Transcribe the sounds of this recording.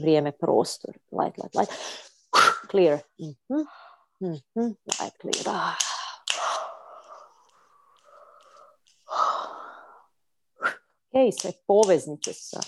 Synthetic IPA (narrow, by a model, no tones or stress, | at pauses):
ʋɾjeːmepɾo̰ːst̪o̰ɾlˠa̰jt̪la̰jt̪la̰jt̪ | kliːɾm̩hm̩ | m̩h̩la̰jt̪klḭɾ | okeisʋepoʋeznit͡ʃ̪esa̰